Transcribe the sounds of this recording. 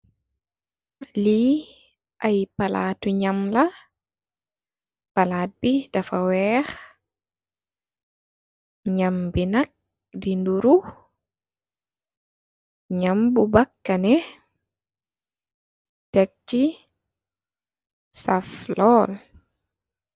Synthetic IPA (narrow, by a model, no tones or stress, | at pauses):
li | ʔajpala̰ːtuɲamla | palaːt̚bidafawɛx | ɲambinak̚ | dinduɾu | ɲambubakːanɛ | tɛk̚t͡ʃi | saflɔl